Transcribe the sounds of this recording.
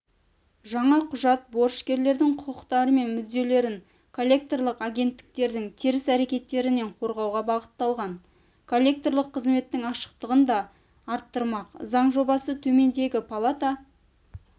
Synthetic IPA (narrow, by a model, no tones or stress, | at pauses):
ʒɑɴɑqʰʊʒɑt̪̚bo̞ɾʃkʲe̞ɾle̞ɾd̪ɪŋqʰʊqʰəqt̪ɑɾəme̞nmʏzd̪e̞le̞ɾɪŋ | kʰolʲːe̞k̚t̪orlˠəqaɡʲe̞nt̪ːɪ̥k̚t̪e̞ɾd̪ɪŋt̪ʰiɾɪsæɾe̞kʲe̞t̪ːe̞ɾɪne̞ɴqʰo̞ɾʁɑwʁɑbɑʁət̪ːɑlˠʁɑn | kʰo̞lʲːe̞k̚t̪o̞rlˠəqʰːəzme̞t̪ːɪŋɑʃə̥q̚t̪əʁənd̪ɑː | ɾt̪ːəɾmɑqzɑɴʒo̞bɑsət̪ʰɵme̞nd̪e̞ɡʲɪpʰalˠat̪a